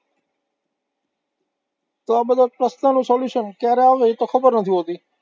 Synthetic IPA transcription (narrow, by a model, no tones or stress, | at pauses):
t̪aːbəd̪əpɾəst̪ãːnũːsoːljuːʃənkɛːɾeaːʋet̪oːxʰəbəɾnət̪ʰiːɦoːt̪iː